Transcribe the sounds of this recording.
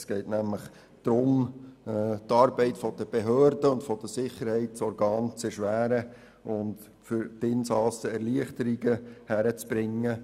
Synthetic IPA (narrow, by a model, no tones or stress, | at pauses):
sɡ̥ɛɪtnæmləχ | d̥ɾʊm | tɑːɾbɛɪtfɔd̥̪əb̥eɦøːɾdəʊntfɔd̥̪əsɪχːəɾhɛɪtsɔɾɡɑːnt͡sɛʃʋæːɾə | ʔʊnd | fʏɾtɪnsɑsəɛɾliəχtəɾiɡəhæɾət͡sb̥ɾɪŋːə